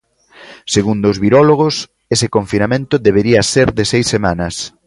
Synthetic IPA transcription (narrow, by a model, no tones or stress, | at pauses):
seɣund̪ozβiɾɔloɣ̞os | esekoɱfinamẽnt̪ʊðeβ̞eɾiɐseɾðɪsejsːemanɐs